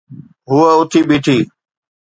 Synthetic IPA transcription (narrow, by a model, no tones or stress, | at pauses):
ɦʊəʊt̪ʰiɓiːʈʰiː